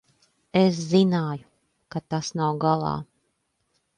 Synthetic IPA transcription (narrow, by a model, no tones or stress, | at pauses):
es̬zinaːju | kat̪asnawɡalˠɑ̰ː